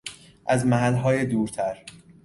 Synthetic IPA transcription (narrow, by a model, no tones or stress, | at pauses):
ʔæzmæɦælːɦɒːjed̪uːɾt̪ʰæɾ